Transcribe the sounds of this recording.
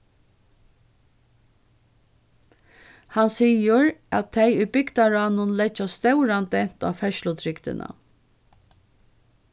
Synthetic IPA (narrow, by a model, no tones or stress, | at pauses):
hansiːəɹæt̪ʰːɛɪʏbʏɡd̪aɹaːnʊnlɛt͡ʃast̪œwɾand̪ɛn̥t̪a̰ːfɛʃlʊt̪ʰɾɪkt̪ɪ̰nʔa̰